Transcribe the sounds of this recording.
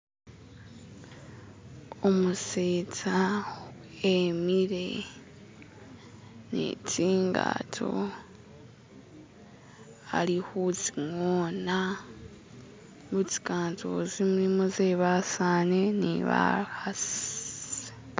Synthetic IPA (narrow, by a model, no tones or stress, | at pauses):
omuseːt͡sa | emiɾe̞̰ | nḛt͡siːŋɡa̰tʰo̰ | a̰ɾihut͡siŋoːna | ɡut͡si̥kaːntʰo̰zimuɾimozeːβasane̞nḭβa̰hasze